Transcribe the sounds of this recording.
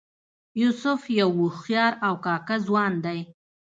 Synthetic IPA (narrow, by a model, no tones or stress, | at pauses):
jusʊfjawʊxjɑɾawkɑkazwɑnd̪aj